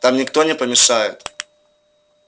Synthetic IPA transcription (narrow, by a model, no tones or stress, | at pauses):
t̪amnʲɪkt̪o̞nʲɪpəmʲɪʂajɪ̰t̪